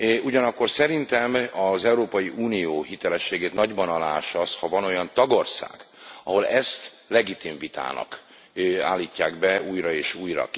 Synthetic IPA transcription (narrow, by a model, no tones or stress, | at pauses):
uɟɒnɒkːo̞rsɛɾint̪ɛmɒzɛuɾoːpɒjiʔuːnijoːɦit̪ɛlɛʃːeːɡeːt̪nɒɟbɒnɒlaːʃɒshɒvɒno̞jɒnt̪ɒɡo̞rsa̰ːɡ̥ | ɒɦo̞lɛst̪ | lɛɡit̪iɱvit̪a̰ːnɒ̰k | a̰ːlːiːcːaːɡbɛuːjrɒeːʃuːjrɒ̰k